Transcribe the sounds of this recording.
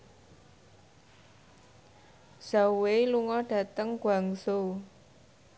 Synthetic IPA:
z̥aweluŋɔɖ̥ä̤t̪əŋɡ̥wa̤ŋso

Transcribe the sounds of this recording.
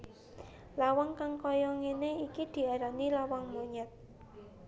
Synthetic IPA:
lawaŋkaŋkɔjɔŋeneikid̪̥i̤aɾanilawaŋmoɲɛt̪̚

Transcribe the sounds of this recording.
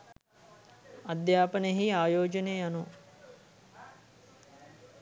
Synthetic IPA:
ad̪jaːpənɦiaːjoːd͡ʒəneːjanu

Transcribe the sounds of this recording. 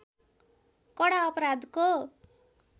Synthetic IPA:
kʌɽaʌpʌɾad̪ko

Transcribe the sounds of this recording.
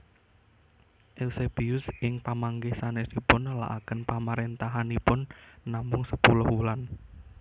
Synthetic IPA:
ʔɛlseb̥eʊsɪŋpamaŋɡɪhsanesipʊnla̰ʔakənpamaɾent̪aɦanipʊnːamʊŋsəpulɔhulan

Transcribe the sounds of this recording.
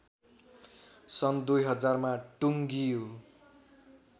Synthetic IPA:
sʌnd̪ujɦʌd͡zarmaʈuŋɡijo

